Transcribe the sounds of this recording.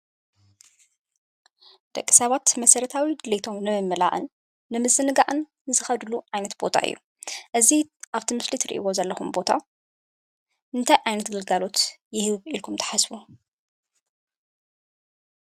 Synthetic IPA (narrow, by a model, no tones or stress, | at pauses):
d̪̥ɐkʼːi̥sɐβat̪mɐsɐɾɐt̪ʰawid̪ɨlet̪ʰo̞mnɨmɨmːɨla̰ʔɨ̰nː | ɨmɨzɨnɨɡaʔɨn | ɨzɨxɐd̪ɨluʕajnɐt̪b̥o̞̰t̪ʰa̰ʔɨ̰jːṵ | ʔɨziʔaβt̪ʰimɨslit̪ʰɨɾḭʔḭwo̞zɐlːɐxumbo̞t̪ʰa̰ | ʔɨnt̪ʰɐjʕajnɐt̪ɡɨlɡalo̞t̪jɪhɨβilkʰumt̪ʰɐ̥ħasfu